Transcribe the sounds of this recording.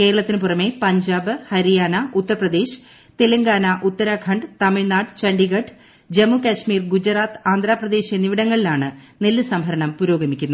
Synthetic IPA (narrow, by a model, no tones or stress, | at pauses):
ke̞ːɾɐɭɐt̪ːinɨpurɐme̞pɐɲd͡ʑaːbɨhɐɾijaːnaut̪ːɐɾɐprɐd̪e̞ːɕɨ̥ | t̪elɐŋɡaːnɐʔut̪ːɐɾakʰɐɳɖɨt̪ɐmiɻnaːɖt͡ɕɐɳɖiɣɐʈː | d͡ʑemukʲaɕmiːrɡud͡ʑɐraːt̪aːnd̪ʱɾaːprɐd̪e̞ːɕijɐniʋiɽɐŋːɐɭilaːɳɨnelːɨsɐmbʱɐɾɐɳɐmpuɾo̞ːɡɐmikʲːunːuɐ